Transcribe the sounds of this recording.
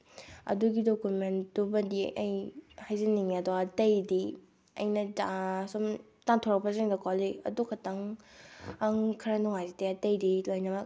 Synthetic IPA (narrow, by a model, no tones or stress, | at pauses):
ɐ̰duɡidokumendubɐdḭʔɐ̰jhajzɐniŋɐdɔɐtɐjdi | ɐ̰jnɐtasum | taŋtʰoɾɐk̚pɐzeŋdɐkɔliɐ̰dukʰɐtɐŋ | ɐŋkʰɐɾɐnɔŋajzitejɐtɐjdilojnɐmɐk